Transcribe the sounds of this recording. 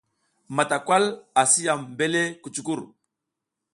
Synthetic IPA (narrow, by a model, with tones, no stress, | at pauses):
ma˨ta˨kwa˦la˨si˦ja˨mbe˦le˦ku˨t͡ʃu˨˦ku˦˨ɾ